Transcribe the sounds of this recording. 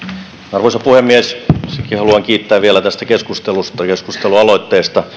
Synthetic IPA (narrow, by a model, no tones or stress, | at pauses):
nɑrʋoisɑpuhemːiessekihɑluɑŋkiːt̪ːæːʋielæt̪æst̪ækeskust̪elust̪ɑkeskust̪eluɑloit̪ːeːst̪ɑ